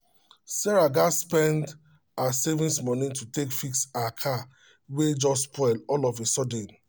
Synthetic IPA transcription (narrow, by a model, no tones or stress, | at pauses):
sɛɹaɡaspɛ̃nd | asevĩnsmɔnĩtutekfiksakʰa | wed͡ʒɔspʰɔɪlɔlɔvesɔdẽn